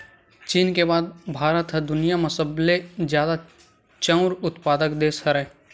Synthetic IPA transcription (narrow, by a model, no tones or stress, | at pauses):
t͡ʃiːnkebaːd̪̚bʱaːɾət̪ɦəd̪ʊnijamɐsəblezjaːd̪a | t͡ʃə̃ʊɾʊt̪paːd̪əkd̪eːsəɾɛː